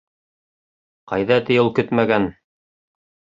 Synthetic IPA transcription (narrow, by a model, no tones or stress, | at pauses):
qɑjðɑt̪ɘ̆jɘlˠkɵt̪mæɡæn